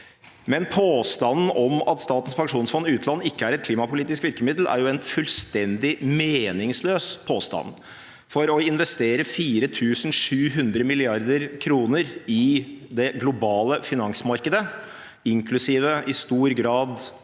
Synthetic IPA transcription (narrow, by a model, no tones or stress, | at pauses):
mɛnpʰoːst̪ɑnn̩ʔɔmɑt̪st̪ɑːt̪n̩spɑŋʂuːnsfɔnːɪʉːt̪ʰlɑnːɪkːəæɾɛt̪̚kʰliːmɑpʊliːt̪ɪskʋɪɾkəmɪd̪l̩ʔæ̰ɾjʊɛnfʉlst̪ɛnd̪ɪmeːnɪŋsløːspʰoːst̪ɑ̰n | fɔɾɔɪnʋɛst̪eːɾəfiːɾət̪ʰʉːsn̩ʂʉːɦʉnd̪ɾəmɪlɪɑɾd̪əɾkʰɾuːnəɾɪd̪ɛɡlʊbɑːləfɪnɑŋsmɑɾkəd̪ə | ɪŋkʰlʉsiːʋəɪst̪uːɾɡɾɑːd̪